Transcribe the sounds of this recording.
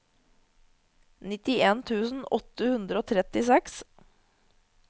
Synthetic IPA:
nɪt̪ɪeːnt̪ʰʉːsn̩ɔt̪əhʉnd̪ɾəoːt̪ʰɾɛt̪ɪsɛks

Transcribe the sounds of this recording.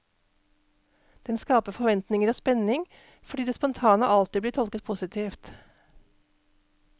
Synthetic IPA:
d̪̥ɛnskɑːpəfɔʋɛnt̪nɪŋəɾoːspɛnɪŋ | fɔɖiːd̪eːspɔnt̪ʰɑːnə̰ɑlt̪ɪbliːt̪ʰɔlkət̪̚pʰʊsɪt̪ʰiːft̪

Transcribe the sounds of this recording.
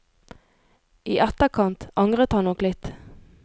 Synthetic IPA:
ʔiːʔɛt̪əkʰɑnt̪ʔɑŋʁət̪hɑnnɔklɪt̪

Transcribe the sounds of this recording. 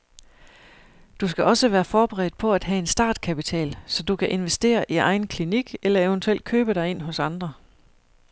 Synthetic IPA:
d̥usɡ̥æʔɒ̽səʋæːɐfɒːb̥eʁɛ̰ːd̥pʰɒ̽æd̥ɦæe̝nsd̥ɑ̰̈ːd̥kʰæpit͡sʰɛ̰ːlsɒ̽d̥ukʰæʔe̝nʋesd̥e̝̰ːɐʔiʔɑ̈ɪn̩kʰliniɡ̥elɐeʊənt͡sʰuel̰d̥̚kʰøːb̥əɾ̥ɑ̈ɪe̝n̰ɦɔ̽sɑ̈nd̥ʁɐ

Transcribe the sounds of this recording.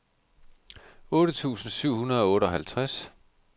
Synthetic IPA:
ɔ̽ːɾ̥ət͡sʰṵːsn̩syʊ̰hunɐð̞ˠɒɔ̽ːɾəɒ̽ɦælt͡sʰʁas

